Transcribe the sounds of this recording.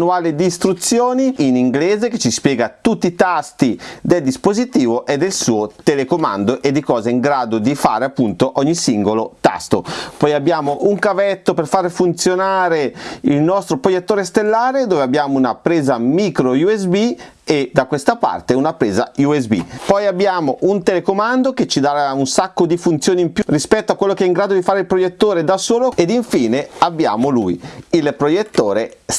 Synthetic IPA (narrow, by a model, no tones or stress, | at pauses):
nːuaːled̪iːst̪ɾut̪sːjoːniiniŋɡlɛːzeket͡ʃːispjɛːɡat̪ut̪ːit̪ast̪id̪eld̪ispozit̪iːvoʔed̪ːelsuːot̪elekoma̰nd̪oʔed̪ːikɔːzaiŋɡɾaːd̪od̪ifa̰ːɾeapːunt̪oʔɔɲːisiŋɡolot̪a̰st̪o̰pɔjabːjaːmoʔuŋkavɛt̪ːoperfaːɾefunt̪sjonaːɾeilnɔst̪ɾopɾojet̪ːoːɾest̪elːaːɾed̪oːveabːjaːmounapɾeːzamiːkɾojuesbi | ed̪akwest̪apa̰rt̪eunapɾeːza̰jues̬bḭpɔjabːjaːmoʔunt̪elekomand̪oket͡ʃːid̪aːɾaunsakːod̪ifunt̪sjoːniimpjurispɛt̪ːoakːwelːokeɛiŋɡɾaːd̪od̪ifaːɾeilpɾojet̪ːoːɾed̪asoːloed̪iɱfiːneabːja̰ːmolṵjilpɾojet̪ːoːɾes